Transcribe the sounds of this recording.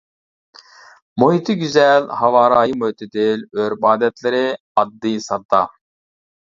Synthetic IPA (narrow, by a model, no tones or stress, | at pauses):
moɦit̪ʰɨɡʲyzɛlhɑvɑːɾɑːjimohit̪ʰɪd̪ɪløɾbɑːd̪ɛt̪lɪɾɪ | ɑd̪ːɨjsɑt̪ːɑ̰